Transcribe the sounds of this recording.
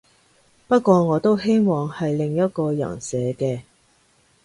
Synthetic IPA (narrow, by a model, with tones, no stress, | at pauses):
pɐ˥t̚kʷɔː˧ŋɔː˨˧t̪o˥wɦe˥jmɔː˨ŋhɐ˨jlɪ˨ŋjɐ˥t̚kɔː˧jɐ̰˨˩nsɛː˨˧kɛː˧